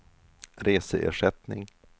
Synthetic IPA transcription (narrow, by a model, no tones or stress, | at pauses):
ɾeːsəʔḛːʂɛt̪nɪ̰ŋ